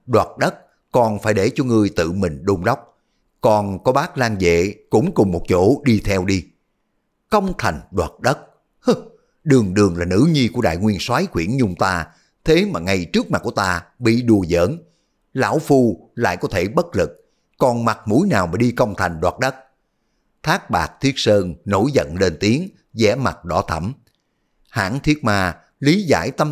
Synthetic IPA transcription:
ɗwaː˨˩t̚ɗə˦˥t̚ | kɔ˨˩nfaː˧˩jɗe˧˩t͡ɕɔ˧ŋɨ˨˩əjt̪ɨ̰˧˨mï˨˩ŋ̟ɗo˧ŋ͡mɗa˦˥wk͡p̚ | kɔ˨˩nkɔ˨˦ɓaː˦˥k̚laː˧ŋzḛ˧˨kʊ̰˧˥ŋ͡mkʊ˨˩ŋ͡mmo˨˩t̚t͡ɕo˧˩ɗi˧t̪ʰɛ˧wɗi˧ | kə˧wŋ͡mt̪ʰa˨˩jŋ̟ɗwaː˨˩t̚ɗə˦˥t̚ | ɗɨ˨˩əŋɗɨ˨˩əŋlaː˨˩nɨ̰˧˥ɲi˧ku˧˩əɗa̰ː˧˨jŋwi˧ənswaː˨˦jxwḭ˧˩ənɲʊ˧ŋ͡mt̪aː˧ | t̪ʰe˨˦maː˨˩ŋa˨˩jt͡ɕɨ˦˥ək̚ma˨˩ku˧˩ət̪aː˧ɓḭ˧˨ɗu˨˩əzə̰ː˧˥n | la̰ː˧˥wfu˧la̰ː˧˨jkɔ˨˦t̪ʰe˧˩ɓə˦˥t̚lɨ˨˩k̚ | kɔ˨˩nma˨˩t̚mu˧˥˦jnaː˨˩wmaː˨˩ɗi˧kə˧wŋ͡mt̪ʰa˨˩jŋ̟ɗwaː˨˩t̚ɗə˦˥t̚ | t̪ʰaː˦˥k̚ɓaː˨˩k̚t̪ʰi˦˥ət̚səː˧nno̰˧˥jzə̰˧˨nle˧nt̪i˨˦əŋ | zɛ˧˦˥ma˨˩t̚ɗɔ˧˩˦t̪ʰə˧˩m | ha̰ː˧˥ŋt̪ʰi˦˥ət̚maː˧ | li˨˦za̰ː˧˥jt̪ə˧m

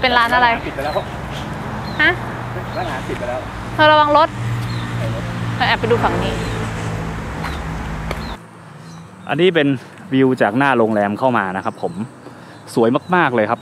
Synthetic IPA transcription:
pe˧nɾaː˦˥nʔa˧ɾa˧jsi˨˩pa˧lɛː˦˥˩a˧˥ | ha˦˥ | a˥˩laː˨˦nsi˨˩pa˧lɛː˦˥ | k̪ʰaː˧˩ɾa˧wa˧ŋɾo˦˥t̪̚ | kʰa˧ʔɛː˨˩pːa˧jduː˧fa˨˩˦ŋniː˦˥ | ʔa̰˧nːiː˦˥pe˧n | wi˧wt͡ɕaː˨˩k̚naː˥˩loː˧ŋlɛː˧mkʰa˥˩wmaː˧na˦˥kʰa˦˥pʰːo˩˦m | su˨˩˦əjma˥˩k̚maː˥˩k̚lɤː˧jkʰa˦˥p̚

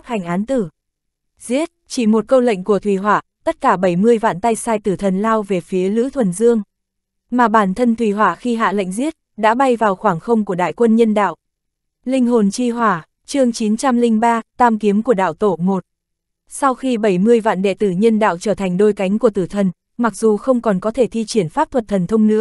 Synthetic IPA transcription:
ha˨˩jŋ̟ʔaː˨˦nt̪ɨ˧˩ | zi˦˥ət̚t͡ɕi˧˩mo˨˩t̚kə˧wlə̰˧˨jŋ̟ku˧˩ət̪ʰwi˨˩ɦwaː˧˩˨t̪ə˦˥t̚kaː˧˩ɓə˧˩jmɨ˧əjva̰ː˧˨nt̪a˧jsaː˧jt̪ɨ˧˩t̪ʰə˨˩nlaː˧wve˨˩fi˨˦əlɨ̰˧˥t̪ʰwə˨˩nzɨ˧əŋ | maː˨˩ɓaː˧˩nt̪ʰə˧nt̪ʰwi˨˩ɦwaː˧˩xi˧ɦa̰ː˧˨lə̰˧˨jŋ̟zi˦˥ət̚ɗa̰ː˧˥ɓa˧jvaː˨˩wxwaː˧˩ŋxə˧wŋ͡mku˧˩əɗa̰ː˧˨jkwə˧nɲə˧nɗa̰ː˧˨wʔ | lï˧ŋ̟ɦo˨˩nt͡ɕi˧ɦwaː˧˩ | t͡ɕɨ˧əŋt͡ɕi˨˦nt͡ɕa˧mlï˧ŋɓaː˧t̪aː˧mki˨˦əmku˧˩əɗa̰ː˧˨wt̪o˧˩mo˨˩t̚ | sa˧wxi˧ɓə˧˩jmɨ˧əjva̰ː˧˨nɗḛ˧˨t̪ɨ˧˩ɲə˧nɗa̰ː˧˨wt͡ɕəː˧˩t̪ʰjŋ̟ɗo˧jka˨˦jŋ̟ku˧˩ət̪ɨ˧˩t̪ʰə˨˩n | ma˨˩k̚zu˨˩xə˧wŋ͡mkɔ˨˩nkɔ˨˦t̪ʰe˧˩t̪ʰi˧t͡ɕi˧˩ənfaː˦˥p̚t̪ʰwə˨˩t̚t̪ʰə˨˩nt̪ʰə˧wŋ͡mnɨ̰˧˥

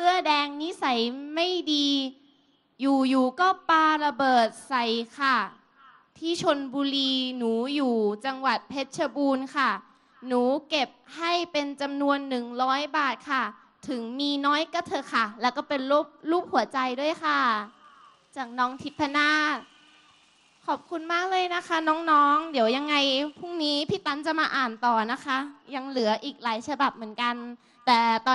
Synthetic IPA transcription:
sɯ˥˩ɐədɛː˧ŋni˦˥sa˨˩˦jma˥˩jdiː˧ | juː˨˩juː˨˩kɔː˥˩paː˧ɾa˧bɤː˨˩t̪̚sa˨˩˦jkʰa˥˩ | t̪ʰiː˥˩t͡ɕʰo˧nbuː˧ɾiː˧nuː˩˦juː˨˩t͡ɕa˧ŋwa˨˩t̪̚pʰe˦˥t̪̚t͡ɕʰa˧buː˧nkʰa˥˩ | nuː˩˦ke˨˩p̚ha˥˩jpe˧nt͡ɕa˧mnu˧ənːɯ˨˩ŋɾɔː˦˥jbaː˨˩t̪̚kʰa˥˩ | t̪ʰɯ˩˦ŋmiː˧nɔː˦˥jka˧˩t̪ʰɤ˧kʰa˥˩lɛː˦˥˩wkɔː˥˩pe˧nlo˦˥˩p̚luː˥˩k̚hu˩˦ɐt͡ɕa˧jduː˥˩əjkʰa˥˩ | t͡ɕaː˨˩k̚nɔː˦˥ŋt̪ʰi˦˥t̪̚pʰːa˧naː˥˩ | kʰɔː˨˩p̚kʰu˧nmaː˥˩k̚lɤː˧jna˦˥kʰa˦˥nɔː˦˥ŋnɔː˦˥ŋdi˨˩˦wja˧ŋːa˧jpʰu˥˩ŋniː˦˥pʰiː˧˥˩t̪a˧˥nt͡ɕa˨˩maː˧ʔaː˨˩nt̪ɔː˨˩na˦˥kʰa˦˥ja˧ŋlɯ˨˩˦ɐʔiː˨˩k̚laː˨˩˦jsʰa˧ba˨˩p̚mɯ˩˦ənka˧n | t̪ɛː˨˩t̪ɔː˧

